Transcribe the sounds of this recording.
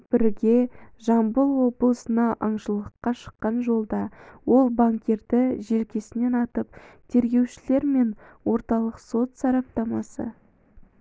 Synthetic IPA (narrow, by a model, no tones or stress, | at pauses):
b̥ɪɾɪɡʲe̞ʒɑmbəlˠwo̞blˠəsənɑʔɑɴʃəlˠəqːɑʃə̥qːɑnʒo̞lˠd̪ɑwo̞lˠbaŋkʲe̞ɾd̪ɪʒe̞lkʲe̞sɪne̞nɑt̪əp̚t̪ʰe̞ɾɡʲe̞wʃɪle̞ɾme̞nwo̞ɾt̪ɑlˠəqso̞t̪sɑɾɑp̚t̪ɑmɑsə̰